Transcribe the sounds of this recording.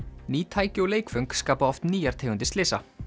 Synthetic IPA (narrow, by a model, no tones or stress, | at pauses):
niːt̪ʰaːjcɪɔleːjkfœŋkskaːpaɔft̪niːjaɾ̥t̪ʰeːɣʏnt̪ɪst̪lɪːsa